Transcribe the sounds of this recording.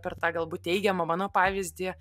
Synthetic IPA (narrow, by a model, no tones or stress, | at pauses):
pʲɛrt̪ɑːɡɐlˠbuːt̪̚ʲt̪ʲɛɪɡʲɛmɐmɑːnoːpɑːʋʲɪzʲd̪ʲiː